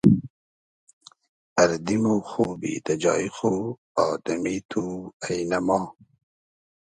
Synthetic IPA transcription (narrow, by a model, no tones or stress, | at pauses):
ɐɾd̪imuxuːbḭd̪ɐd͡ʑɑ̰ːixo | ɑːd̪ɐmit̪ʰuajnɐmɑː